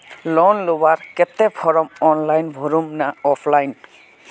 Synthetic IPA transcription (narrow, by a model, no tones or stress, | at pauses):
lɔnlowaɹkɛt̪ɛpʰɔɹɔmɔnlajnbʱoɹumnaɔpʰlajn